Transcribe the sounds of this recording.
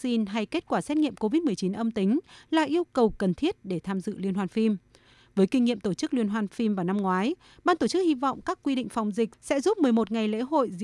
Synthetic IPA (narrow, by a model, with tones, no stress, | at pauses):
si˧nɦa˧jke˦˥t̚kwaː˧˩sɛ˦˥t̚ŋḭ˧˨əmko˧vi˦˥t̚mɨ˨˩əjt͡ɕi˨˦nʔə˧mt̪ï˨˦ŋ̟la̰ː˨˩ʔi˧əwkə˨˩wkə˨˩nt̪ʰi˦˥ət̚ɗe˧˩t̪ʰaː˧mzɨ̰˧˨lwi˧ənɦwaː˧nfi˧m | vəː˨˦jkï˧ŋ̟ŋḭ˧˨əmt̪o˧˩t͡ɕɨ˦˥k̚lwi˧ənɦwaː˧nfi˧mvaː˨˩na˧mŋwaː˨˦j | ɓaː˧nt̪o˧˩t͡ɕɨ˦˥k̚hi˧vɔ̰˧˨wŋ͡mkaː˦˥kːwi˧ɗḭ̈˧˨ŋ̟fa˨˩wŋ͡mzï˨˩k̟̚sɛ̰˧˥zu˦˥p̚mɨ˨˩əjmo˨˩t̚ŋa˨˩jlḛ˧˥ɦo̰˧˨jz̰